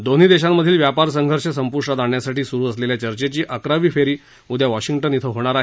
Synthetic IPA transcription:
d̪on̤iːd̪eɕamːəd̪ʱiːlʋjapaɾs̬əŋɡʱəɾɕəsəmpuɾʂʈat̪aɳjasaʈiːsuɾuːəsleljat͡ɕəɾt͡ɕet͡ɕiːʔəkɾaʋiːfeɾiː | ud̪ʱjaʋɔɕiŋɡʈənit̪ʰəɦoɽ̃aɾaɦ

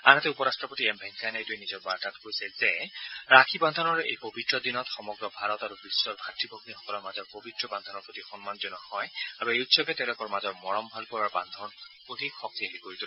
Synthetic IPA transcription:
a̰natɛupɔɹastɹɔpotiɛmbʱɛŋkʰanaetuenizɔɹbaɹtatkoisɛlzɛɹakʰiband̪ʱɔnɔɹḛjpobitɹɔd̪inɔtxɔmɔɡɹɔbʱaɹɔtaɹubisːɔɹbʱatɹibʱɔɡnixɔ̥kɔlɔɹmazɔɹpobʱitɹɔband̪ʱɔnɔɹpot̪ixɔnmanzɔnɔhɔjabueutsɔbɛtɛwlɔkɔɹmazɔɹmɔɹɔmbʱalpɔɹaɹband̪ʱɔn | od̪ʱikxɔk̚t̪iaɦikoɹit̪ul

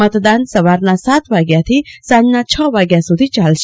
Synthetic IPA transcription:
ət̪d̪ansəʋaɾnasat̪ʋaɡjat̪ʰisannat͡ʃʰəʋaɡjasud̪ʱit͡ʃalʃ

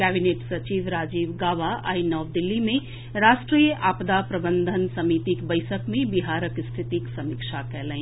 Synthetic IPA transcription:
kɛːbineːʈsɐt͡ʃiːʋɾaːd͡ʒiːʋɡaːʋaa̰ːinɔːʋd̪ɪlːimẽ | ɾaːʃʈɾiːjəʔaːpd̪apɾɐbə̃nd̪ʱənsɐmiːt̪ikbəɪsəkmẽbɪɦaːɾəkst̪ʰɪt̪iksɐmikʃakɛɦlẽẽ

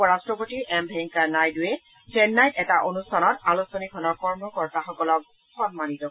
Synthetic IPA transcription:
ɔɹastɹɔpotiɹʔɛmbʱɛŋkanajdʊjɛ | sɛnːajtɛtaʔonustʰanɔtalusonikʰɔnɔɹkɔɹmɔkɔɹtaxɔkɔlɔk̚ | xɔnmanitɔ

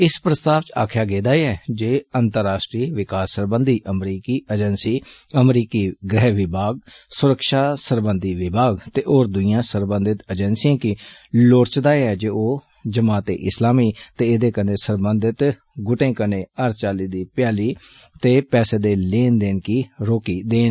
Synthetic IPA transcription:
ɪspɾəst̪aːʋt͡ʃaːkʰjaːɡeːd̪aːeɛːd͡ʒeːənt̪əɾːaːʃʈɾiːʋɪkaːsːəɾbənd̪iːʔəmɾiːkiːəd͡ʒənsiːəmɾiːkiːɡɾɛːʋɪbʱaːɡ̚sʊɾəkʃaːsəɾbənd̪iːʋɪbʱaːɡt̪eːʔoːɾd̪ʊiːjãːsəɾbə̃nd̪ɪt̪əd͡ʒənsijãːkiloːɾt͡ʃd̪aːeɛːd͡ʒeːoː | d͡ʒəmaːt̪ḛːʔɪslaːmiːt̪eːɪd̪eːkənẽːsəɾbənd̪ɪt̪ | ɡʊʈẽːkənẽːəɾt͡ʃaːliːd̪iːpɪjaːliːt̪eːpɛːseːd̪eːleːnd̪eːnkiːɾoːkiːd̪eːn

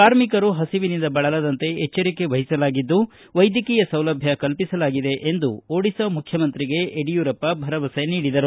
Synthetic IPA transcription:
kaːɾmikɐɾuɦɐsiʋinind̪ɐbɐɭɐlɐd̪ɐnt̪e̞et͡ʃːɐɾikːeʋɐɦisɐlaːɡid̪ːu | ʋɐjd̪jɐkiːjɐsɐwlɐbʱjɐkɐlpisɐlaːɡid̪e̞ʔend̪uoːɽisɐmukʰjɐmɐnt̪ɾiɡe̞eɽijuːɾɐpːɐbʱɐɾɐʋɐsɐniːɽid̪ɐɾu

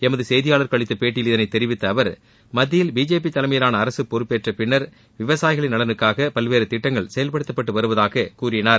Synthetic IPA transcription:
ɛmɐðɯsɛjðɪjaːɭɐɾkɐɭɪt̪ːɐpeːʈːɪjɪlɪðɐnɐɪt̪ːɛɾɪʋɪt̪ːɐːʋɐɾ | mɐðːɪjɪlbiːd͡ʒeːp̬it̪ːɐlɐmɐjɐlaːnɐːɾɐsɯpːɔɾɯpːeːʈrɐpɪɳːɐɾ | ʋɪʋɐsaːjɪɣɐɭɪnːɐlɐnɯkːaːɣɐpɐlʋeːɾɯt̪ɪʈːɐŋɡɐɭsɛjɐlpɐɽɯt̪ːɐpːɐʈːɯʋɐɾɯʋɐðaːɣɐkuːrɪnaːɾ

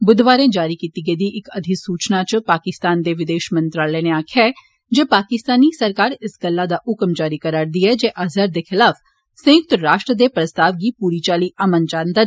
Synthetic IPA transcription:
bʊd̪ʋaːɾẽːd͡ʒaːɾiːkiːt̪iːɡeːd̪iːʔɪkəd̪ʱɪsuːt͡ʃnaːt͡ʃpaːkɪst̪aːnd̪eːʋɪd̪eːʃmə̃nt̪ɾaːlɛneːaːkʰjaɛ | d͡ʒeːpaːkɪst̪aːniːsəɾkaːɾɪsɡəlːaːd̪aːʔʊkmd͡ʒaːɾiːkəɾaːɾd̪iːɦɛːd͡ʒeːʔazaɾd̪eːxɪlaːf | sə̃ɪk̚t̪ɾaːʃʈɾəd̪eːpɾəst̪aːʋɡiːpuːɾiːt͡ʃaːliːʔəmənd͡ʒaːnd̪aː

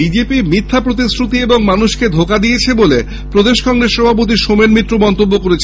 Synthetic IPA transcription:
id͡ʑepimit̪ʰːapɾot̪isɾut̪ieboŋmanuʃked̪ʱokad̪ijet͡ɕʰebole | pɾod̪eʃkɔŋɾesɾɔbʱap̬ot̪̬iʃomenmit̪ːɾomɔnt̪obːokoɾet͡ɕʰ

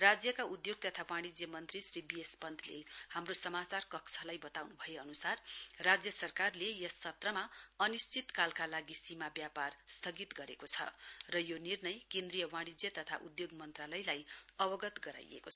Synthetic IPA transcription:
rad͡zjʌkaud̪joɡ̚t̪ʌt̪ʰawãɽ̃id͡zjʌmʌnt̪risribiespʌnd̪ʱlḛhamrosʌmat͡sarkʌksʌlajbʌt̪awnubʱʌeʌnusarrad͡zjʌsʌrkarlejʌsːʌt̪rʌmaʌnist͡sit̪kalkalaɡisimabjaparst̪ʰʌɡit̪ɡʌɾekot͡sʰʌ̰rʌjonirnʌjkẽnd̪rijʌwãɽ̃id͡zjʌt̪ʌt̪ʰa̰ʔud̪joɡmʌnt̪ralʌjlajʌbʌɡʌt̪ɡʌɾa̰jḛkot͡sʰʌ

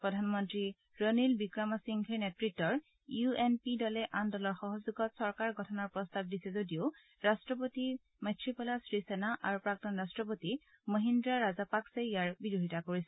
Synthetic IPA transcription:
pɹɔdʱanmɔntɹi | ɹənilbikɹamasiŋɡʰʱeɹnɛtɹitːɔɹ | juenpidɔlɛʔandɔlɔɹxɔɦɔzuɡɔtsɔɹkaɹɡʱɔtʰɔnɔɹpɹɔstab̚disɛzodio | ɹastɹɔp̬oti | matʰɹipɔlasɹisɛnaʔaɹupɹak̚tɔnɹastɹɔp̬oti | məɦindɹaɹazapakseijaɹbiduɦitakoɹisɛ

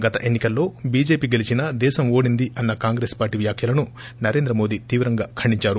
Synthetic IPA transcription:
ɡɐt̪ɐʔe̞nːikɐlːo̞ːbiːd͡ʒe̞ːpiːɡelit͡ʃinɐd̪ɛːʃɐmo̞ːɽind̪iʔɐnːɐkaːŋɡɾeːspaːɾʈːiʋjaːkʰjɐlɐnu | nɐɾe̞ːnd̪ɾɐmo̞ːd̪it̪iːʋɾɐŋɡaːkʰɐɳɖiɲt͡ʃaːɾu

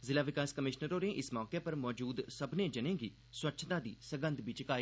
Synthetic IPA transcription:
zɪlaːʋɪkaːskəmɪʃnəɾoːnẽːʔɪsmɔːkeːpəɾmɔːd͡ʒuːd̪səbnẽːd͡ʒənẽːɡiː | swətːʃʰt̪ãːd̪ḭːsəɡə̃nd̪biːt͡ʃkaːiː

